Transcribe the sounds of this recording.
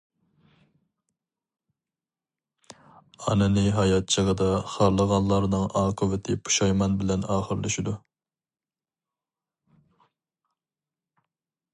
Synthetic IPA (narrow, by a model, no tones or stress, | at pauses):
ɑ̰nɨnɨɦɑjɑt̪̚t͡ʃʰəʁəd̪ɑχɑɾlˠəʁɑnlˠɑɾnɨŋɑːqʰʊvɪt̪ʰɪpʰu̥ʃɑjmɑnbɪlɛnɑːχəɾlɪʃid̪u